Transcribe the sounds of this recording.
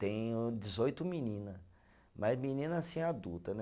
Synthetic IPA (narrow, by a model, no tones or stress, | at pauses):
t̪ẽj̃d͡ʒizojt̪ʊminĩnɐ | mɐzmĩnĩnɐsĩad̪ut̪ɐnɛ